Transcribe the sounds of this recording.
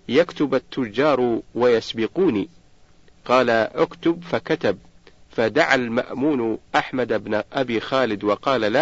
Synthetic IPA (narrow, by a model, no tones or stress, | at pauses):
jakt̪ʊbat̪ːʊd͡ʒːɑːɾˤwajasbɪquːniː | qɑːlaʔʊkt̪ʊbfakat̪ab̚fad̪aʕalma̰ʔmuːnʔaħmad̪abnʔabiːxaːlɪd̪wɑqɑːlala